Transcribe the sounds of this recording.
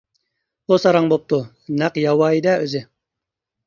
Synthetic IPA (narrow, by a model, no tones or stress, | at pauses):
qosɑɾɑŋbop̚t̪u | næqjɑwɑjd̪ɛøzɪ